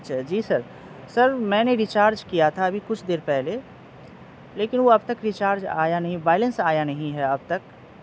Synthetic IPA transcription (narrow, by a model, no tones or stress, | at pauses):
ʃd͡ʒiːsɐɾ | sɐɾmɛ̃ːneɾit͡ʃaːɾd͡ʒkijat̪ʰaɐbʱikʊt͡ʃʰd̪eːɾpɛɦle | leːkɪnʋoɐbt̪ɐkɾɪt͡ʃaːɾd͡ʒa̰ːjanɐɦĩbaːɪlə̃nsaːjanɐɦĩɦɛɐb̚t̪ɐk